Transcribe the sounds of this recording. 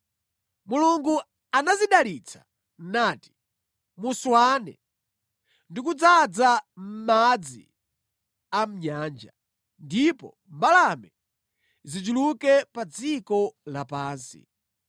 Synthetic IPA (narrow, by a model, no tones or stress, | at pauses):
muluŋɡu | anaziɗalit͡sʰḁ | naːti̥ | muswanɛ̰ | ndikud͡zad͡zam̩mad͡zḭ | am̩ɲaːnd͡ʒa | ndipɔ̰ | mbalamɛ | zid͡ʒulukɛpad͡zikɔlapaːnsḭ